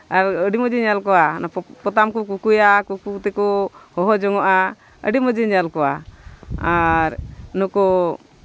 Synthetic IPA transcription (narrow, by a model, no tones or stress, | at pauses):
aɾəɖiməd͡ʒiɲalkɔwanapɔt̪amkuk̬ukujakukut̪ɛkɔhɔɦɔd͡ʒɔŋɔʔa | ə̰ɖiməd͡ʒəɲalkɔwa | aɾnɔkɔ